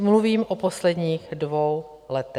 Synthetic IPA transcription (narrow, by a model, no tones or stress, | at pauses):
mluviːmʔoposlɛdɲiːxdvow | lɛt̪ɛ